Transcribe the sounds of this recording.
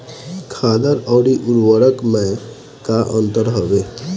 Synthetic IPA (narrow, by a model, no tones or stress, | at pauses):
kʰad̪əɾɔɽiʔuɾwəɾəkmɛ̃ | kaʔə̃nt̪əɾɦɔbe